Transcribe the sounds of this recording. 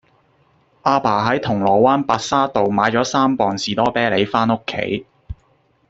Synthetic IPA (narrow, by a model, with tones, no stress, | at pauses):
ʔaː˧paː˨˩ɦɐ˨˥jt̪ʰʊ˨˩ŋlɔː˨˩waː˥npaː˧t̚saː˥t̪o˨wmaː˨˥jt͡ʃɔː˨˥saː˥mpɔː˨ŋsiː˨t̪ɔː˥pɛː˥le˨˧jfaː˥nʊ˥kʰːḛ˨˥j